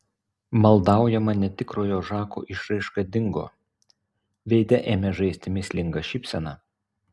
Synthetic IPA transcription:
mɐlˠd̪ɑˑʊjɛmɐnʲɛt̪ʲɪkɾoːjoːʒɑːko̰ːʔɪʃɾɐɪʃkɐd̪ʲɪŋɡo̰ː | ʋʲɛɪd̪ʲɛʔeːmʲɛʒɐɪsʲt̪ʲɪmʲɪsʲlʲɪŋɡɐʃʲɪpʲsʲɛnɑ

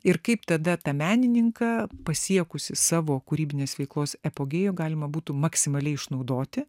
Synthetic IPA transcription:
ɪɾkɐɪpt̪ɐd̪ɐt̪ɐmʲæːnʲɪnʲɪŋkɐpɐsʲiɛkʊsʲɪsɑːʋoːkʊɾʲiːbʲɪnʲeːsʋʲɛɪklˠoːsɛpoːɡʲeːjoːɡɑːlʲɪmɐbuːt̪ʊmɐksʲɪmɐlʲɛɪɪʃnɐʊd̪oːt̪ʲɪ

